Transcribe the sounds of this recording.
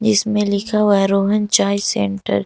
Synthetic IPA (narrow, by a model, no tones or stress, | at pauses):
d͡ʒɪsmẽlɪkʰaɦoaɾoːɦənt͡ʃaːisḛ̃ɳʈə̰ɾ